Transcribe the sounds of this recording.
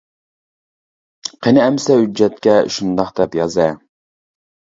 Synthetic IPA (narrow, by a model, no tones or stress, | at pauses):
qʰenɪɛmsɛhyd͡ʒːɛt̪kʲɛʃund̪ɑχd̪ɛpjɑzɛ